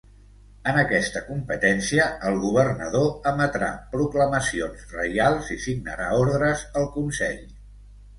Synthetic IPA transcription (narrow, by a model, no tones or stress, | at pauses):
ənəkɛst̪əkumpət̪ɛnsiəəlˠɣuβərnə̰ðoəmət̪ɾa̰pɾukləməsionzrəjalˠzisiɡnə̰ɾaoɾðɾəzəlˠkunsɛʎ